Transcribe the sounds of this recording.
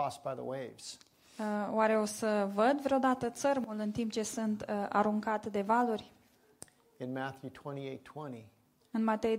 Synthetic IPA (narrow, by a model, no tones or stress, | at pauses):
ɔsb̥aɪðə̰weɪvz̥ | owaɾe̞o̞səvəd̪vɾeod̪at̪ət̪sərmulɨnt̪imp̚t͡ʃe̞sɨnt̪a̰ɾuŋkat̪d̪e̞valurʲ | ɨ̃nmæθjʉtʰw̥ɛ̃ɾ̃ieɪtʰw̥ɛ̃ñi | ɨnmat̪ej